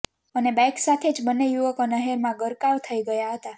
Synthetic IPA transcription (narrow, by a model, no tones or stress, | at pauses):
ənebajksat̪ʰed͡ʒbənːejuʋəkonəɦeɾmãɡəɾkaʋt̪ʰəiɡəjaɦət̪a